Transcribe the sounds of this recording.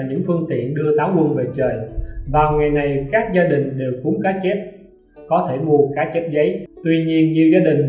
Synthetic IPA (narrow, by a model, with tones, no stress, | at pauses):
ɲɨ̰˧˥ŋfɨ˧əŋt̪ḭ˧˨ənɗɨ˧ət̪aː˨˦wkwʊ˧nve˨˩t͡ɕəː˨˩jvaː˨˩wŋa˨˩jna˨˩jkaː˦˥k̚zaː˧ɗï˨˩ŋ̟ɗe˨˩wkʊ˨˦ŋ͡mkaː˨˦t͡ɕe˦˥p̚ | kɔ˨˦t̪ʰe˧˩mu˧˩əkaː˨˦t͡ɕe˦˥p̚zə˨˦jt̪wi˧ɲi˧ənɲɨ˧zaː˧ɗï˨˩ŋ̟